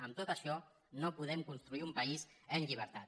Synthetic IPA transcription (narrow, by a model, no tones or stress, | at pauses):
əmt̪ot̪əʃɔ | nopuð̞ɛmkunst̪ɾuiumpəizənʎiβ̞əɾt̪at̪